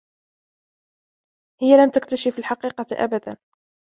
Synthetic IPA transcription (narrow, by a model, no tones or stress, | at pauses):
hɪjːalamt̪akt̪aʃɪfɪlħɑqiːqɑʔa̰bad̪a̰n